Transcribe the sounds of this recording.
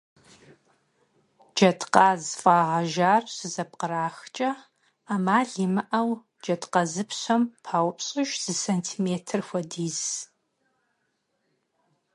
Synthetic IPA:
d͡ʒɐtqaːzfʼaːʁɐʒaːrsɨzɐp̚qəraːxt͡ʃʼɐ | aːmaːɮiːmɨʔɐw | d͡ʒɐtqɐzɨpʰɕʷɐmpʰaːwʷpɕʼɪʒz̥ɨsɐntʰiːmeːtʰɨrxʷɐdiːz

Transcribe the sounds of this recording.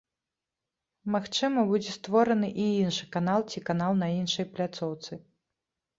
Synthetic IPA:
maxt͡ʂɨmɐbud͡zʲɛst̪vɔɾɐnɨʔiinʂɨ̥kanalˠt͡sʲikanalˠnɐinʂɐjplʲat̪sɔwt̪sɨ

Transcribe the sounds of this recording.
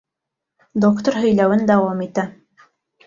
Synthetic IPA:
d̪okt̪oɾɦɵ̆jlæwɘnd̪ɑwɑmit̪æ

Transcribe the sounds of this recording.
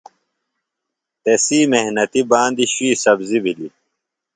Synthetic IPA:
t̪esiːmehnɐt̪ibaːnd̪iɕuiːsɐbzibili

